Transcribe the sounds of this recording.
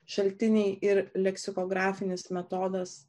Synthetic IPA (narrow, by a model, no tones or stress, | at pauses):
ʃɐlʲt̪ʲɪnʲɪɪʔɪɾlʲɛksʲɪkoːɡɾɑːfʲɪnʲɪsmʲɛt̪oːd̪ɐs